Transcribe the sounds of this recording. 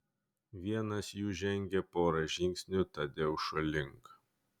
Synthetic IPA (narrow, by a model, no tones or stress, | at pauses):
ʋʲiɛnɐsjuːʒʲɛŋʲɡʲɛpoːɾɐʒʲɪŋʲkʲsʲnʲʊt̪ɐd̪ʲeːʊʃɐlʲɪŋk